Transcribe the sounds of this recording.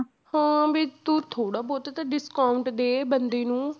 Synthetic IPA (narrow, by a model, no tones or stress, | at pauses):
hãːbʱiːt̪ut̪ʰoːɽaːbɔːt̪et̪aɖɪskaːʊ̃ɳʈd̪eːbənd̪eːnũː